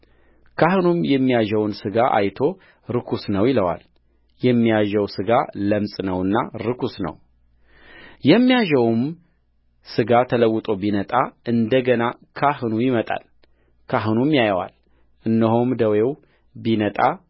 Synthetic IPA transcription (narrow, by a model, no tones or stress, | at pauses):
kʰaɦɨnumjɛmːijaʒɛwnsɨɡaʔa̰jt̪ʰo̞ | ɾɨkʰusnəwjɪləwa̰l | jɛmːijaʒɛwsɨɡaləmsʼnəwɨnːa̰ɾɨkʰusnə̰w | jɛmːijaʒɛwm | sɨɡat̪ʰələwːɨt̪ʼo̞binət̪ʼaʔɨnd̪əɡənakʰahɨnujɪmət̪ʼa̰l | kʰaɦɨnumjajəwa̰l | ʔɨnːəɦomd̪əwew | binət̪ʼa̰